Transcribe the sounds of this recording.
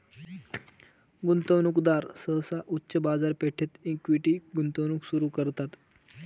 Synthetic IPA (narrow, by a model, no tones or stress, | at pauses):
ɡunt̪əwnukd̪aɾsəsaʔutːɕəbad͡zaɾpeʈʰet̪ikʋiʈiːɡunt̪əwnuksuɾukəɾt̪at̪